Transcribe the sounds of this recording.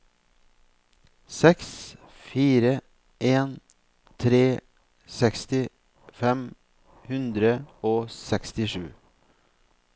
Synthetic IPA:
sɛks | fiːɾə | ʔeːn | t̪ʰɾeː | sɛkst̪ɪ | fɛm | hʉnd̪ɾəoːsɛkst̪ɪʃʉ̰ː

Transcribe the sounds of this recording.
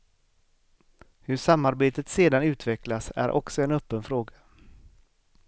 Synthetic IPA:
hɵʂamːaɾbeːt̪ət̪seːd̪anʉ̟ːt̪vɛklasæ̰ɾʔɔ̰ksɔɛnœpːənfɾoːɡḁ

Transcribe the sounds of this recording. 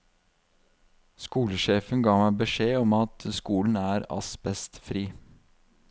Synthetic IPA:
skuːləʃeːfənɡɑːmæɪbəʃeːɔmɑt̪skuːln̩æːɾɑ̰sbɛst̪fɾiː

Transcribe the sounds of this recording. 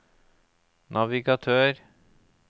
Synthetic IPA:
nʔɑʋɪɡɑt̪ʰøːɾ

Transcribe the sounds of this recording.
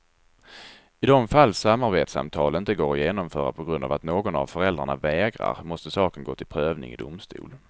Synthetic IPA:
ɪd̪ɔmfalːsamːaɾbeːt̪sa̰mt̪ʰɑːlənɪnt̪əɡoːɾɔjeːnɔmfœːɾa̰pʰɔɡɾɵnd̪a̰vat̪noːɡɔna̰vfœɾɛld̪ɾaɳavɛːɡɾa̰ɾmɔst̪əsɑːkənɡoːt̪ɪlpʰɾøːvnɪ̰ŋɪ̰d̪ʊmst̪ṵːl

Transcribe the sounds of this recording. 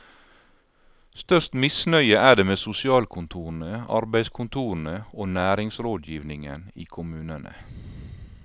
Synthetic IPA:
st̪œʃt̪mɪsnœʏəʔæːɖeːmeːsʊsɪɑːlkʰʊnt̪ʰuːɾn̩əɑ̰ɾbæɪskʰʊnt̪ʰuːn̩əoːnæːɾɪŋsɾoːd̪jiːʋnɪŋə̰nḭːkʰʊmʉːnənʔə̰

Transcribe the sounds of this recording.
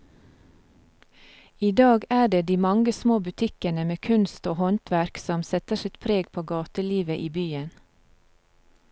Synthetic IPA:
iːd̪ɑːɡæːɖeːd̪iːmɑŋɡəsmoːbʉt̪ʰɪkənəmeːkʰʉnst̪oːhɔnt̪ʰʋæɾksɔmsɛt̪əʃɪt̪pʰɾeːɡpʰoːɡɑːt̪əliːʋəʔiːbyːən

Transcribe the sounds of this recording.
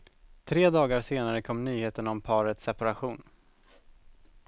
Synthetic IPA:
t̪ʰɾeːd̪ɑːɡaɾseːnaɾəkʰɔmːnyːheːt̪ənɔmpʰɑːɾət̪sɛpaɾaɧuːn

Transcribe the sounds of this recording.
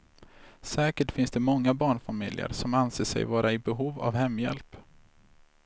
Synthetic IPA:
sɛːkəʈfɪnsd̪̥ɛmɔŋːabɑːɳfamɪljə̰ɾsɔmanseːʂɛ̰jvɑːɾaɪbɛɦuːva̰vhɛmːjɛ̰lp

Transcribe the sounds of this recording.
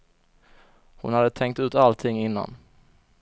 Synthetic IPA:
hʊ̰nhad̪ːət̪ʰɛŋk̚t̪ɵ̟ːt̪alt̪ʰɪŋːɪnːa̰n

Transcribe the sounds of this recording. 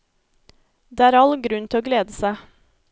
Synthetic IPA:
d̪eːæːɾɑlɡɾʉnt̪ʰɪoːɡleːd̪əsæɪ

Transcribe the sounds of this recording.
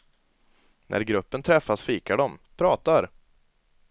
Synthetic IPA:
nʔæ̰ɾɡɾɵpːənt̪ʰɾɛfːasfiːkaɖɔmpʰɾɑːt̪aɾ

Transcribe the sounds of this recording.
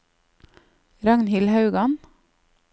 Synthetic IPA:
ɾɑŋnhɪlhɑʉɡɑn

